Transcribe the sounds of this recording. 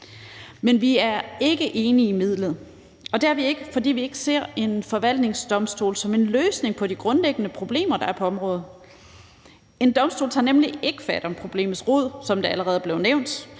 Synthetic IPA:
menʋiæɐe̝ɡ̥əʔe̝ːniːmið̞̰ˠləð̩ˠ | ɒ̽d̥eæɐʋie̝ɡ̥əfɒ̽d̥ḭːʋie̝ɡ̥əse̝ɐ̰e̝nfɒ̽ʋæl̰d̥ne̝ŋsd̥ɒ̽msd̥o̝̰ːlsɒ̽me̝nløːsne̝ŋpʰɒ̽d̥iɡ̥ʁɔ̽nleɡ̥ənəpʰʁo̝b̥le̝̰ːmɐd̥ɑ̈æɐpʰɒ̽ɒ̽mʁɔːð̩ˠ | e̝nd̥ɒ̽msd̥o̰ːlt͡sʰɑ̈nemliʔe̝ɡ̥əfæd̥ɒ̽mpʰʁo̝b̥le̝̰ːmð̩ˠsʁoð̞̰ˠsɒ̽md̥e̝æləʁɛːð̩ˠb̥le̝ʊneʊnd̥

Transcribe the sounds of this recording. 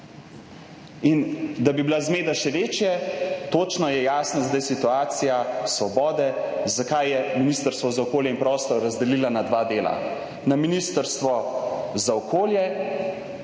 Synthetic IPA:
ind̪abibilazmeːd̪aʃɛʋeːt͡ʃjɛt̪oːt͡ʃnɔjɛjaːsnazd̪ajsit̪uaːt̪sijasʋɔbɔːd̪ɛzakajːɛminist̪əɾst̪ʋɔzaɔkoːljɛinpɾɔst̪ɔɾɾazd̪ɛlilanad̪ʋaːd̪eːla̰ | naminist̪əɾst̪ʋɔzaɔkoːljɛ

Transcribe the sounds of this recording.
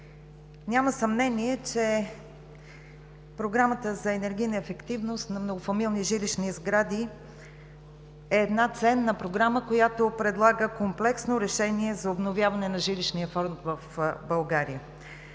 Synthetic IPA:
nʲaməsɐmnɛniɛt͡ʃɛ | pɾoɡɾamət̪əzɐɛnɛɾɡʲijnɐɛfɛkt̪ivnost̪nɐmnoɡofɐmilˠniʒiliʃnizɡɾad̪i | ɛːd̪nat̪sɛnːɐpɾoɡɾaməkojat̪opɾɛd̪lˠaɡəkomplɛksnoɾɛʃɛniɛzɐobnovʲjavɐnɛnɐʒiliʃnijəfɔɾnt̪vəfbɐlˠɡaɾijə

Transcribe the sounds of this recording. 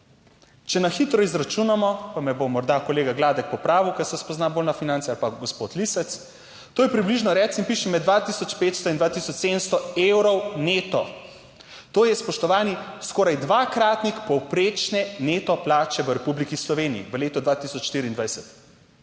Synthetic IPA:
t͡ʃɛnaxit̪ɾɔizɾat͡ʃunamɔpamɛbomɔɾd̪akɔleːɡaɡlaːd̪ɛk̚pɔpɾaːʋiwkɛsɛspɔznaboːlnafinansɛalpaɡɔspot̪lisɛt̪s | t̪oːjɛpɾibliʒnɔɾɛsinpiːʃɛmɛd̪ʋat̪isɔt͡ʃpeːt̪st̪ɔind̪ʋaːt̪isɔt͡ʃseːd̪əmst̪ɔewɾɔwneːt̪ɔ | t̪oːjɛspɔʃt̪ɔʋaːniskɔːɾajd̪ʋaːkɾaːt̪nixpɔwpɾeːt͡ʃnɛnet̪ɔplaːt͡ʃɛʋəɾɛpublikislɔʋeːniḭʋəleːt̪ɔd̪ʋat̪isɔt͡ʃʃt̪iːɾiːnd̪ʋajsɛt̪

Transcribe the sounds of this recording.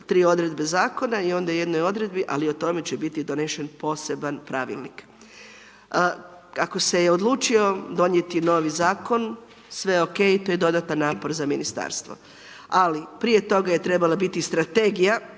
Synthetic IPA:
t̪ɾiːo̞d̪ɾe̞d̪be̞zaːko̞naio̞nd̪aje̞d̪no̞jo̞d̪ɾe̞d̪biʔa̰liot̪o̞me̞t͡ɕebit̪id̪o̞neʃe̞npo̞ːse̞banpɾaʋḭlˠnḭk | kako̞se̞jeo̞d̪lˠuːt͡ʃio̞d̪o̞nje̞t̪ino̞ːʋizaːko̞n | sʋe̞o̞ke̞ːit̪oje̞d̪o̞d̪at̪anːaːpo̞ɾzaminist̪a̰ːɾst̪ʋo̞̰ | alipɾije̞t̪o̞ɡaje̞t̪ɾe̞balabit̪ist̪ɾat̪e̞ɡija

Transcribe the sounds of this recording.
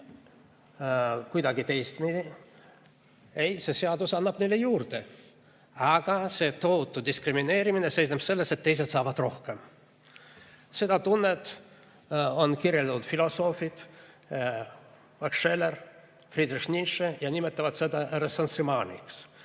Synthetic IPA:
kujd̪ɑɡit̪e̞jst̪mii | ejse̞se̞ɑd̪usɑnːɑb̥ne̞jlːejuːrt̪e | ɑɡ̥ɑse̞t̪o̞ut̪ːˑud̪iskrimine̞ːɾiminese̞jsnepse̞lːese̞t̪ːe̞js̬et̪sɑːvɑd̪̥ro̞hkem | se̞d̪ɑt̪unːet̪ | o̞nkirjeld̪ɑt̪ut̪filo̞so̞ːfit̪ | mɑkʂelːer | frid̪rixnʲinʃejɑnime̞t̪ːˑɑvɑt̪se̞d̪ɑresɑnsrimɑːnʲḭks

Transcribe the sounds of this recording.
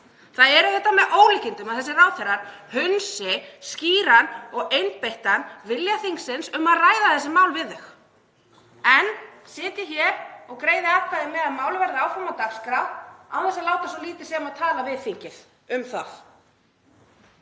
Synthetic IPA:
θaðɛɾθɛht̪ːamɛðʔoːwlɪcɪnt̪ʏmaðθɛsːɪraːwθɛɾaɾ̥hʏnsɪsciːɾanɔɣejnt̪̚pejht̪anvɪljaθiŋksɪnsʏmaðraːjðaθɛsːɪmaːwlvɪðʏx | ɛnsɪːt̪ɪçɛɾɔɣkɾeːjðɪak̪aðɪmɛðaðmaːwlʏvɛɾðɪaːwfɾamat̪akskɾaawθɛsalaːwt̪as̬ɔliːt̪ɪ̥sɛmaðt̪ʰaːlavɪðθiɲcɪð | ʏmθað

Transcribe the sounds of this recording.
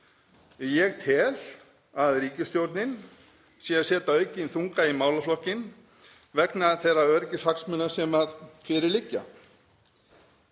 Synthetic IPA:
jɛɣt̪ʰɛːl̥ | aðɾiːcɪst̪jowɾt̪nɪn | sjɛasjɛːt̪aœːɥcɪnθuŋkaimaːwlaflɔhcɪn | vɛknaθejraœɾcɪshaksmʏnːḁsɛmaðfɪɾɪɾlɪcːa

